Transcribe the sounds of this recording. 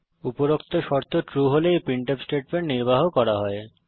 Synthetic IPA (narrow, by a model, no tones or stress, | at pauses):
upoɾokt̪oʃɔɾt̪ʰoʈɾuɦolejpiɳʈepsʈeʈ̚peɳʈniɾbaɦokɔɾaɦɔe